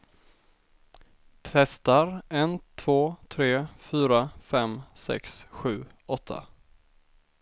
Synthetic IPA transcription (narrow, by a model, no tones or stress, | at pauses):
t̪ʰɛst̪aɾɛnt̪ʰv̥oːt̪ʰɾeːfyːɾafɛmsɛ̰ksɧʉ̟ː | ɔt̪ʰːa̰